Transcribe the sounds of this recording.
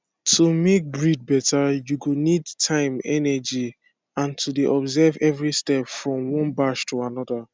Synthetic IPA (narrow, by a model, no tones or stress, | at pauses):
tʰumek̚bɹid̚bɛtajuɡonidtʰãɪ̃mɛ̰nɛd͡ʒi | ãntʰudeʔɔbzɛvɛvɹistɛpfɹɔ̃mwɔ̃nbaʃtʰuanɔda